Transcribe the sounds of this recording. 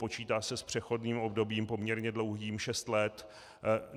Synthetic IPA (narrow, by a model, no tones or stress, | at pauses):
po̞t͡ʃiːt̪aːsɛspr̝̥ɛxo̞dniːmo̞bdo̞biːmpo̞mɲɛɾɲɛdlo̞wɦiːmʃɛst̪lɛt̪